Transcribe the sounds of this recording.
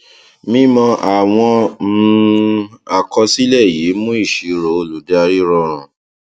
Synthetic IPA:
mĩ˦mɔ̃˧ʔa˨w̃ɔ̃˧mũ˨˦˧ | a˨kɔ˧si˦lɛ˦˨ji˨˦mũ˦i˦˨ʃi˨˦ɾo˨˦o˧˨lu˨da˦a˧ɾi˦ɾɔ˧ɾ̃ã˨

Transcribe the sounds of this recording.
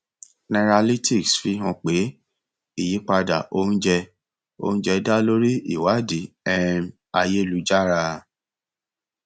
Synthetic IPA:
nɛ̃˧ɾa˧li˦tʰi˦˨ksfi˧˦ɦã˧k͡pe˨˦ | i˦˨ji˨˦k͡pa˧da˨ʔo˦ñ̩˦d͡ʒɛ˧ | o̰˧n̩ũ˦d͡ʒɛ˧da˦lo˦ɾi˦i˦˨wa˨˦di˨˦ | ɛ˦m | a˧je˦lu˨˦d͡ʒa˦ɾa˧

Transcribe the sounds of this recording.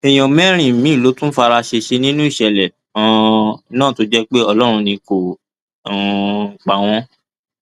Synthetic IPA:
ɛ˨j̃ɔ̃˨mɛ̃˦ɾ̃ĩ˨mĩ˨˦˨lo˨˦tũ˦fa˧ɾa˧ʃe˧ʃe˧nĩ˦nũ˦i˦˨ʃɛ˧˨lɛ˨ | ã˨˧nãː˦˨to˨˦d͡ʒɛ˦k͡pe˦ɔ˧lɔ˦ɾ̃ũ˧nĩ˧kõ˨ | k͡pa˨w̃ɔ̃˦

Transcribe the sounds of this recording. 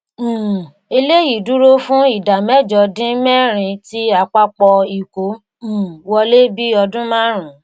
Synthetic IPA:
e˧le˦ji˦˨du˦ɾo˦fũ˦i˦˨da˨mɛ˦˨d͡ʒɔ˧dĩ˦mɛ˦˨ɾ̃ĩ˧ti˦a˧k͡pa˦k͡pɔ˧i˨kõ˨˦˨ | wɔ˧le˦bi˦ɔ˧dũ˦mãː˦ɾ̃ũ˨

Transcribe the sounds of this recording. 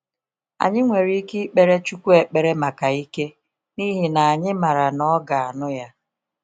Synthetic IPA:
a̰˨ɲɪ˦ŋʷe˨ɾi˦ki˦k͡pe˨ɾe˦t͡ʃu˦kʷu˦e˨k͡pe˨ɾe˦ma˨ka˨i˦ke˦ | ni˦ɦi˦˨na˨a˨ɲɪ˦ma˨ɾa˨nɔ˦ɡa˨a˨nʊ˦ja˦

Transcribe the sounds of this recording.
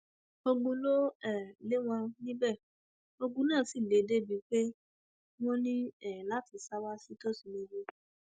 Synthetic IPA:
o˧ɡ͡bũ˧lo˦ɛ˦˨le˦w̃ɔ̃˧nĩ˦bɛ˦˨ | o˧ɡ͡bũ˧nãː˦˨si˦˨le˨de˦bi˨˦k͡pe˦ | w̃ɔ̃˦nĩ˦ɛ˦˨la˨˦ti˨˧˦sa˦wa˦si˦to˦si˨lo˧d͡ʒu˧˦

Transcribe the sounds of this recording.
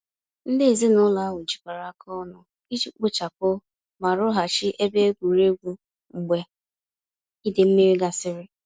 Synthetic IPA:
n̩˦dɪ˦e˨zi˦nʊ˦la˨˦wu˨d͡ʒi˨kʷa˨ɾa˨˦kʰɔ˦nʊ˦ | i˦t͡ʃi˨k͡pʊ˦t͡ʃa˨kʊ˦ | ma˨ɾʊ˦ɦa˨t͡ʃɪ˦ʔe˦be˦e˦ɡʷu˨ɾe˦ɡʷu˦ | ŋ͡m̩˨ɡ͡be˨ | i˦dɪ˨m̩˦mi˦ɾi˦ɡa˨sɪ˦ɾɪ˦

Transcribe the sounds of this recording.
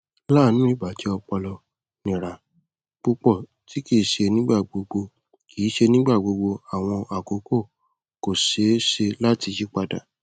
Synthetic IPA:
laː˦˨nũ˦i˦˨ba˨tʰi˨˦ɔ˧k͡pɔ˧lɔ˧ | nĩ˨ɾa˨ | k͡pu˧k͡pɔ˦˨ | ti˨˦ki˦˨ʃe˧nĩ˦ɡ͡ba˦˨ɡ͡bo˧ɡ͡bo˧ | kʰiː˨˦ʃe˧nĩ˦ɡ͡ba˦˨ɡ͡bo˧ɡ͡bo˧a˨w̃ɔ̃˧a˨ko˨˦ko˦˨ | ko˨ʃe˨˦ʃe˧la˦ti˧d͡ʒi˦k͡pa˧da̰˨

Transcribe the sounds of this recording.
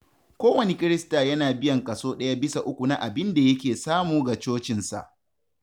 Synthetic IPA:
kʷoː˦wɐ˨ne˦kʲʼɪ˦ɾɪ˦staː˨jɐ˦naː˨bɪ˦jɐ˨ŋkʼɐ˨soː˦ɗɐ˦ja˦bɪ˦sa˨ʔʊ˦kʷu˨na˦ʔa˨bɪ˦nda˨jɐ˦kʲeː˨saː˦muː˨ɡa˨t͡ʃoː˦t͡ʃɪ˨nsa̰˨ʔ

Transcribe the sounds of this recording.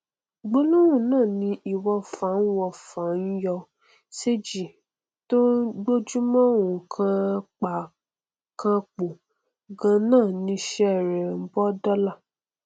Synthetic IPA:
ɡ͡bo˦lũ˦wũ˦˨nãː˦˨nĩ˧˦i˨wɔ˧fã˨˦n̩˦wɔ˧fã˨˦n̩˦jɔ˧ | se˦d͡ʒi˨ | to˦ɡ͡bo˦d͡ʒu˦mɔ̃˦˨wũ˨kʰã˧k͡pa˨ | kã˧k͡po˨ | ɡã˧nãː˦˨nĩ˧˦ʃɛ˦˨ɾɛ˨m̩˦bɔ˦dɔ˦la˦˨

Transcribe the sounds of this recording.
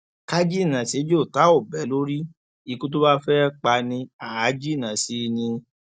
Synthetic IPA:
ka˦d͡ʒi˦˨nã˨se˨˦d͡ʒo˦˨ta˨˦o˦˨bɛ˨˦lo˦ɾi˦ | i˨˧ku˦t̬o˦ba˦fɛ˦k͡pa˧nĩ˧a˨a˨˦d͡ʒi˦˨nã˨si˨˦˧nĩ˧

